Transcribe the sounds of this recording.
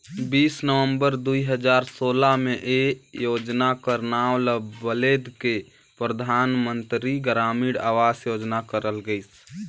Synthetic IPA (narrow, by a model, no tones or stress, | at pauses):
biːsnəʋəmbəɾd̪uiɦəd͡ʒaɾsolameʔejod͡ʒnakəɾnawləbəled̪ke | pɾəd̪ʱanmənt̪ɾiɡɾamiɽa̰ʋasjod͡ʒnakəɾəlɡəɪs